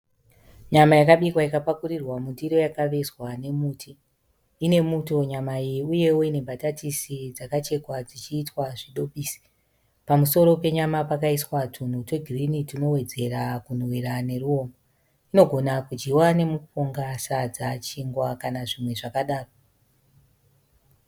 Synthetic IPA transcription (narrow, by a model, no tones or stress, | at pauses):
ɲamajakaɓikwaikapakurirwamundiɾo̞jakaʋe̞swane̞muːtʰi | ine̞muto̞ɲamaijiuje̞wo̞ine̞mbʱatatisid͡zakat͡ʃe̞kwad͡zit͡ʃiːtwaʐiɗo̞piːsi̥ | pamuso̞ɾo̞pe̞ɲamapakaiswatʰun̤utweɡʱirinitino̞we̞d͡ze̞rakunwiɾane̞ɾuo̞ːmo | ino̞ɡʱo̞nakud͡ʒɡiwane̞mupoŋɡasad͡zat͡ʃiŋɡwakanaʐimwe̞ʐakaɗaːro